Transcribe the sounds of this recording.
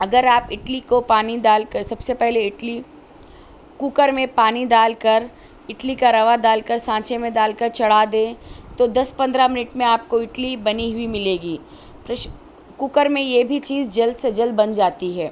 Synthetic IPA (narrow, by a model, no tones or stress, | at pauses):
ɐɡəɾaːpɪʈlikopaːnid̪aːlkəɾsɐbsepɛɦleɪʈli | kukəɾmẽpaːnid̪aːlkəɾ | ɪʈlikaɾɐʋad̪aːlkəɾsãːt͡ʃemẽd̪aːlkəɾt͡ʃɐɽ̤ad̪ẽːt̪od̪ɐspɐ̃nd̪ɾamɪnɪʈmẽaːp̚koɪʈlibɐniɦʊimɪleːɡiː | pɾɐʃ | kukəɾmẽjebʱit͡ʃiːzd͡ʒɐld̪sed͡ʒɐld̪̚bɐnd͡ʒaːt̪iɦɛː